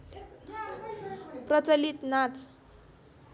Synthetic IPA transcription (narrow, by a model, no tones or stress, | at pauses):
pɾət͡səlit̪nat͡s